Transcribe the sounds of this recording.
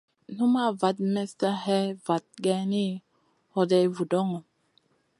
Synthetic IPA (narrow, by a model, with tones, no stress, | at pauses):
n̥u˦ma˦˨va˨˦t̚mɛ˦sta˦hɛ˦va˨t̚ɡɛ˦ni˦ | hɔ˦dɛ˦vu˨dɔ˦ŋɔ˨